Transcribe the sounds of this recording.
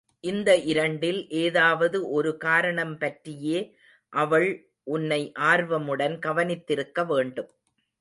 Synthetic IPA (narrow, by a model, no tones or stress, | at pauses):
ʔɪnd̪ɐʔɪɾɐɳɖɪlʔeːðaːʋɐðɯʔɔɾɯkaːɾɐɳɐmpɐʈrɪjeː | ʔɐʋɐɭ | ʔʊnːɐɪʔaːɾʋɐmɯɽɐnɡɐʋɐnɪt̪ːɪɾɯkːɐʋeːɳɖɯm